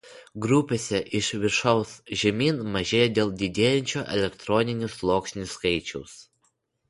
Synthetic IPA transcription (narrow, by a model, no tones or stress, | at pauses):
ɡɾʊpʲesʲɛʔɪʃʋʲɪɾʃɐʊsʒʲɛmʲiːnmɐʒʲeːjod̪ʲeːlˠd̪ʲɪd̪ʲeːjɛnʲt͡ʃʲoːʔɛlʲɛkt̪ɾɔnʲɪnʲʊslˠoːkʃʲnʲɪsːkɐɪt͡ʃʲɛʊs